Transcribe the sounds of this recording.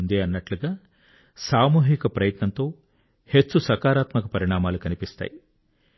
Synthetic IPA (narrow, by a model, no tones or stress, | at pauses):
nd̪iɐnːɐʈluɡaː | saːmuːɦikɐpɾɐjɐt̪nɐnt̪o̞ː | he̞t͡ʃsusɐkaːɾaːt̪mɐkɐpɐɾiɳaːmaːlukɐnipist̪a̰ːji